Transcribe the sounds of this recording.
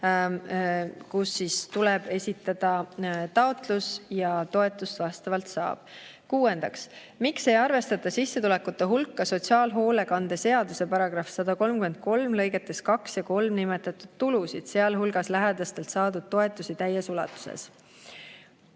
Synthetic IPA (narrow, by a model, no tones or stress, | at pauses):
kusːist̪ulɛb̥e̞sʲit̪ːˑɑd̪̥ɑt̪ɑo̞t̪lusjɑt̪o̞e̞t̪ˑːust̪vɑst̪ɑvɑlt̪sɑ̰ːb̥ | kuːe̞nd̪̥ɑks | mikse̞jɑrve̞st̪ɑt̪ːˑɑsisːe̞t̪ule̞kut̪ːˑeɦulkːɑso̞t̪ʲsiɑːlɦo̞ːle̞kɑnd̪̥ese̞ɑd̪use̞pɑɾɑɡ̥rɑfsɑd̪̥ɑko̞lmkyme̞nd̪̥̚ko̞lmlɤ̞jɡet̪ːˑe̞skɑksjɑko̞lmnime̞t̪ːˑɑt̪ːˑud̪̥t̪ulusid̪̥se̞ɑlɦulɡ̥ɑslæɦed̪̥ɑst̪e̞lt̪sɑːd̪ud̪̥̚t̪o̞e̞t̪ːˑusit̪æjesulɑ̰t̪ːˑu̥sḛs